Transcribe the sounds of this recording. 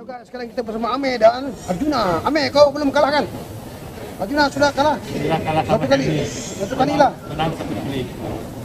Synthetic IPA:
uɡasə̥kaɾaŋkit̪abərsamaːmedanad͡ʒunaamekawpəlʊmkalahkan | ad͡ʒunasudakalahakalasatukalisat̪ukalilahasatali

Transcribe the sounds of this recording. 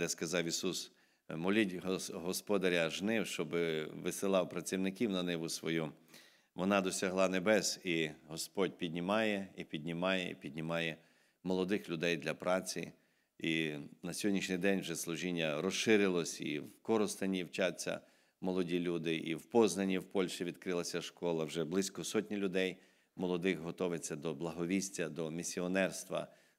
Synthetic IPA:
d̪ɛskɐzɑwisus | mɔlʲitʲɦɔɦɔspɔd̪ɐɾʲɐʒnɪwʃt͡ʃɔbɪʋɪsɪlˠɑwpɾɐt͡sʲiwnɪkʲiwnɐnɛbusʋɔju | ʋɔnɑd̪ɔsʲɐɦlˠɑnebɛsiɦɔspɔdʲpʲid̪ʲnʲimɑjɛipʲidʲnʲimɑjɛ̰ḭpʲid̪ʲnʲimɑjɛ | mɔlˠɔd̪ɪxlʲʊd̪ɛjd̪lʲɐpɾɑt͡sʲḭ | inɐsʲɔdʲnʲiʃnɪjd̪ɛnʲwʒɛslˠʊʒinʲːɐɾɔsʃɪɾɪlˠɔsʲḭwkɔɾɔst̪ɐnʲiwt͡ʃɑt͡sʲːɐ̰ | mɔlˠɔdʲilʲud̪ɪʔiwpɔznɐnʲːiwpɔlʲʃiʋʲid̪kɾɪlˠɐsʲɐʃkɔlˠɐwʒɛblˠɪsʲkɔsɔtʲnʲilʲʊd̪ɛj | mɔlˠɔd̪ɪxɦɔt̪ɔʋet͡sʲːɐd̪ɔblˠɐɦɔʋʲisʲtʲɐd̪ɔmʲisʲiɔnɛrst̪ʋɐ̰

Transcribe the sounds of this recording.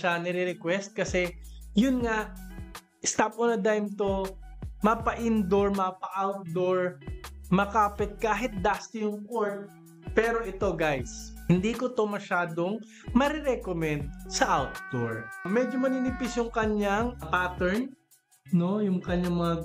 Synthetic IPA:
ʃanɛɾɪɾɛkwɛst̪̚kɐsɛjʊnŋaʔ | ʔɪst̪ap̚onɐd̪ajmt̪omɐpɐʔɪnd̪oɹmɐpɐʔawt̪̚d̪oɹmɐkaːpɪt̪̚kaːɦɪt̪̚d̪ast̪ɪjʊŋkoɹt̪̚ | pɛːɾo̞ʔɪt̪o̞ɡajshɪnd̪iːkot̪o̞mɐʃaːd̪oŋ | mɐɾɛɾɛkomɛnd̪̚sɐʔawt̪̚d̪oɹmɛd͡ʒomɐnɪnɪpɪsjʊŋkɐɲaŋpaːt̪ɛɹn | no̞jʊŋkɐɲːaŋmɐŋa

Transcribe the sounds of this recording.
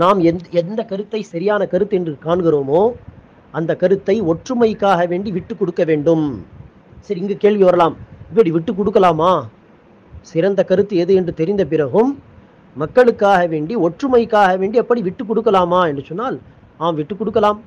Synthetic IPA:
naːmɛnɛnd̪ɐkɐɾɯt̪ːɐɪsɐɾɪjaːnɐkɐɾɯt̪ːɯɛndrɯkaːɳɣɪɾoːmoː | ɐnd̪ɐkɐɾɯt̪ːɐɪɔʈrɯmɐɪkːaːɣɐʋeːɳɖiʋɪʈːɯkːɔɽɯkːɐʋeːɳɖɯm | sɐɾiɪŋɡeːkeːɭʋiʋɐɾɐlaːmɪpːɐɽiʋɪʈːɯk̬ːɔɽɯkːɐlaːmaː | sɪɾɐnd̪ɐkɐɾɯt̪ːɯɛðɯɛndrɯt̪ɛɾɪnd̪ɐp̬ɪɾɐɣɯmː | ɐkːɐɭɯkːaːɣɐʋeːɳɖiɔʈrɯmɐɪkːaːɣɐʋeːɳɖiɛpːɐɽiʋɪʈːɯkːɔɽɯkːɐlaːmaːɛndrɯsɔnːaːl | naːmʋɪʈːɯkːɔɽɯkːɐlaːm

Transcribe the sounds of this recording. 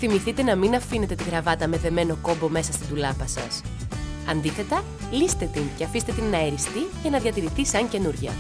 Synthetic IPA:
θimiθit̪e̞nɐminɐfine̞t̪e̞t̪iɣɾɐvɐt̪ɐme̞ðe̞me̞no̞ko̞mbo̞me̞sɐst̪ind̪ulɐpɐsɐ̰sɐnd̪iθe̞t̪ɐ | list̪e̞t̪inceɐfist̪e̞t̪inːɐeɾist̪icɐnɐðʝɐt̪iɾiθisɐɲce̞nuɾʝɐ̰

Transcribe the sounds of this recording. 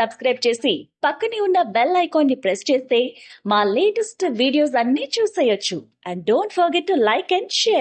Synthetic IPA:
sɐbskɾɐjb̚t͡ʃe̞ːsipɐkːɐniunːɐʋelːɐjkoːnːipɾest͡ʃe̞ːst̪e̞ːmaːleːʈɐsʈʋiːɖijo̞ːs̬ɐnːiːt͡ʃuːsɐjːɐt͡ʃːu | ɛɳɖɖoːɳʈfʰɐɾɡeʈːulɐjkɛ̃ɳɖʃɛːɾ

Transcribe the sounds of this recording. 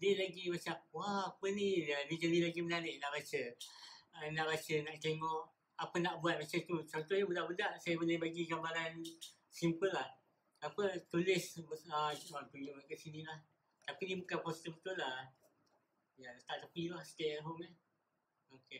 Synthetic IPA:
dilaɡimat͡ʃamwaapənianid͡ʒalilaɡimənanɪʔnaʔbat͡ʃə | ənaʔbat͡ʃənaʔt̪eŋɔʔ | apənaʔbuat̪̚mat͡ʃat̪ut͡ʃɔnt̪oɲabədaʔbədaʔsajəbəlajbaɡiɡabaɾan | simpəlːah | apət̪ulɪsbəəwat̪ujoʔmakəʔsinilah | t̪apidibukanpɔst̪əbət̪ʊla | jat̪aʔt̪əpilahsə̥t̪enɦoma | oke

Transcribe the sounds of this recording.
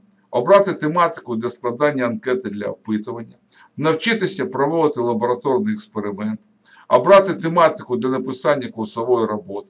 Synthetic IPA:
ɔbɾɑt̪ɪt̪emɑt̪ɪ̥kʊd̪lʲɐsklˠɐd̪ɑnʲːɐɐnkɛt̪ɪd̪lʲɐ̰wpɪt̪ʊʋɐnʲːɐ | nɐwt͡ʃɪt̪ɪsʲɐpɾɔʋɔʋɪt̪ɪlˠɐbɔɾɐt̪ɔrnɪjɛkspeɾɪmɛnt̪ | ɔbɾɑt̪ɪt̪emɑt̪ɪkʊd̪lʲɐnɐpɪsanʲːɐkʊlsɔʋɔjiɾɔbɔt̪ɪ̥

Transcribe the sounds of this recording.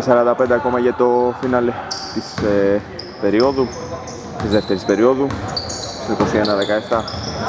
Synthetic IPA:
sɐɾɐnd̪ɐpe̞nd̪eɐko̞mɐʝɐt̪o̞finɐlet̪ise | pe̞ɾio̞ðu | t̪izðeft̪e̞ɾispeɾio̞ðu | siko̞sienɐðekɐeft̪ɐ

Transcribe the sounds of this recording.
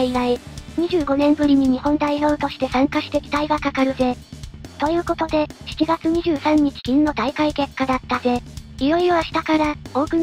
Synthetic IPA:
iɾaiɲ̟iʑɨːɡo̞nẽ̞mbɯ̟ɾʲiɲ̟iɲ̟ihõ̞nd̪aiɾo̞ɯ̟t̪o̞ɕi̥t̪e̞sãŋkaɕi̥t̪e̞kʲi̥t̪aiɡakakaɾɯ̟ze̞t̪o̞jɯ̟ːko̞t̪o̞d̪e̞çi̥t͡ɕiɡat͡sɨɲ̟iʑɨːsãɲ̟ːit͡ɕi̥kʲĩnːo̞d̪aikaike̞kːad̪at̪ːaze̞iɾo̞iɾo̞βaɕi̥t̪akaɾao̞ːkɯ̟

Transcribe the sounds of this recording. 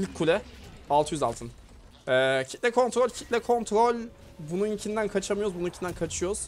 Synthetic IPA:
ilʲckʰːulʲɛalˠt̪ʰɯjyza̰lˠt̪ʰɯn | ɛːcʰit̪lʲɛkʰo̞nt̪ɾo̞lʲcʰit̪lʲɛkʰo̞nt̪ʰɾo̞lʲ | bununicʰind̪ænkʰat͡ʃʰamɯjoɾzbununicʰind̪ænkʰat͡ʃʰɯjo̞ɾuz̥

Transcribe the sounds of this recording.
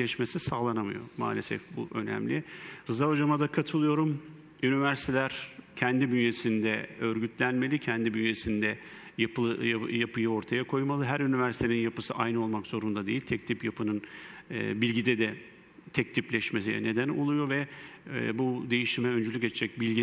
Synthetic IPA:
ɛʃme̞sisaːlˠanamɯ̰jo̞̰ma̰ːlʲesɛ̰fbuʔønæ̰mlʲiɾɯzaod͡ʒamad̪akʰat̪ʰɯlˠɯjo̞ɾum | ynivæɾsit̪ʰelʲæɾ̥cʰɛnd̪ibynje̞sind̪ɛø̞ɾɟyt̪lʲænme̞lʲicʰɛnd̪ibynjesind̪ɛ | japajapɯjɯo̞ɾt̪ʰajakʰo̞jmalˠɯɦæɾynivæɾsit̪eninjapɯsɯʔajnɯo̞lˠmakz̥o̞ɾund̪ad̪e̞jilʲt̪ʰɛc̚t̪ʰipjapʰɯnɯn̰ː | bilʲɟid̪ɛd̪ɛ | t̪ʰɛc̚t̪ʰiplʲɛʃmesijɛ̰ne̞d̪ænolˠujo̞vɛ | bud̪e̞jiʃimɛø̞nd͡ʒylʲycet͡ʃʰd͡ʒɛc̚bilʲɟi

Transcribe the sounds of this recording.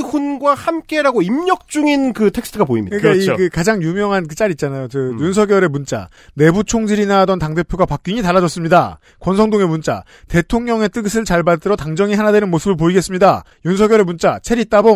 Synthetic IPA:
hunɡwahamk͈e̞ɾaɡoimɲʌk̚t͡ɕ͈uŋinkɯtʰe̞k̚sʰtʰɯɡapoḭmɲikɯik͈aikɯkad͡ʑaŋjumjʌŋɦankɯt͡ɕ͈aɾit̚t͡ɕ͈anajot͡ɕɯjuns̬ʰʌɡjʌɾe̞munt͡ɕ͈a̰ | ne̞but͡ɕʰoŋd͡ʑiɾinadʌntaŋde̞pʰjoɡapak̚k͈iɲitaɭːad͡ʑʌs͈ɯmɲida | kwʌnsʰʌŋdoŋe̞munt͡ɕ͈a̰ | te̞tʰoŋɲʌŋe̞t͈ɯɡɯsʰɯɭt͡ɕaɭbat͈ɯɾʌtaŋd͡ʑʌŋihanadwenɯnmosʰɯbɯɭpoiɡe̞s͈ɯmɲida | junsʰʌɡjʌɾe̞munt͡ɕ͈at͡ɕʰe̞ɾit͈abo

